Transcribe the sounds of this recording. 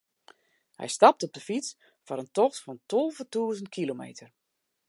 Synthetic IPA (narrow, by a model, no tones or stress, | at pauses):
hɛ̰jstɑp̚tɔb̚dəfit͡s | fɔɾəntɔxtfɔntʰolˠvətuəzəntkʰilomḛːtʰər